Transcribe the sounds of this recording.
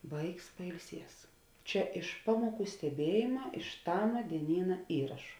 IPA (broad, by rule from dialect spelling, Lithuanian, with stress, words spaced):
ˈʋɐɪks pɐɪlʲˈsʲiɛs ˈt͡ʃʲɛ ɪʃ ˈpɑːmuɔˌkuː sʲtʲɛˈbʲiɛjeːmɐ ɪʃ ˈtɑːmɐ dʲiɛˈnʲiːnɐ ˈiːrɐʃʊ